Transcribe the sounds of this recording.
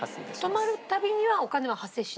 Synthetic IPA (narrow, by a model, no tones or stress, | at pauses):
t̪o̞maɾɯ̟t̪abʲiɲ̟iβao̞kane̞βahase̞ːɕi̥